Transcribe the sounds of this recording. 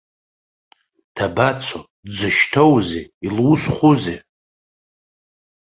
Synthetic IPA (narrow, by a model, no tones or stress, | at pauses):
d̥ʰabat͡sʷʰodd͡zɨʃtʰowzḛilwusχʷuzḛ